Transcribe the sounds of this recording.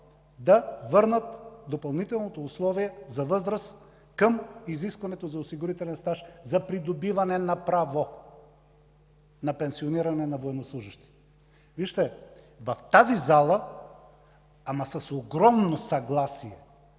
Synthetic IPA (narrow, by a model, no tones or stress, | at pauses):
d̪ɐvɤɾnət̪d̪opɐlˠnit̪ɛlˠnot̪oːslˠɔviɛzɐvɤzɾəs | kəmiziskvɐnɛt̪ozɐosiɡʊɾit̪ɛlɛnst̪aʃzɐpɾid̪obivɐnɛnapɾavo | nɐpɛnsioniɾɐnɛnɐvoɛnoslˠuʒiʃt̪i̥t̪ | viʃt̪ɛ | vɐft̪azizalˠə | amɐsɐsoɡɾɔmnosɐɡlˠasiɛ